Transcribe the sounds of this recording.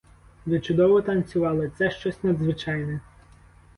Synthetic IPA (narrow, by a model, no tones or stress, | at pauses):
zʲɐt͡ʃʊd̪ɔʋɔt̪ɐnʲt͡sʲʊʋɑlˠɪt̪sɛʃt͡ʃɔsʲnɐd̪zʋɪt͡ʃɑjnɛ